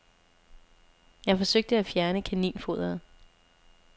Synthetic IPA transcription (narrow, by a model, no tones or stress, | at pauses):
jɑ̈ɪfɒ̽søɡ̥̚d̥əæfjæɐnəkʰænḭːnfo̝ð̰ˠɐð̩ˠ